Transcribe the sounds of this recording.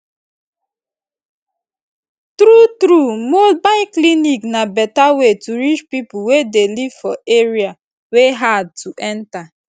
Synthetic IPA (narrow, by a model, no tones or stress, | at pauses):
tɾutɾumobaɪkliniknabɛtawetuɾit͡ʃpipuwedelivfɔeɹia | weɦad̚tuʔɛ̃nta